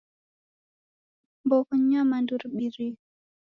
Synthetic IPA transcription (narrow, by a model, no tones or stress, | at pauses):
bɔkɔɲamandurɓiɾi